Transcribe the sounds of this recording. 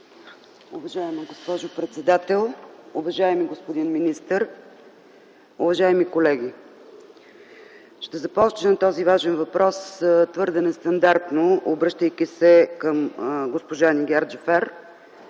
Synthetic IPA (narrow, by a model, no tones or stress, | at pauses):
ʊvɐʒaɛməɡospɔʒʊpɾɛt̪sɛd̪at̪ɛlˠʊvɐʒaɛmiɡospod̪inminist̪əɾ | ʊvɐʒaɛmikolɛɡ̟i | ʃt̪ɛzɐpɔt͡ʃnənɐt̪ɔzivaʒɛnvɐpɾɔst̪vɤɾd̪ɛnɛst̪ɐnd̪aɾt̪noobɾɤʃt̪əjk̟isɛkəmɡospoʒaniɡʲaɾd͡ʒɛfɛɾ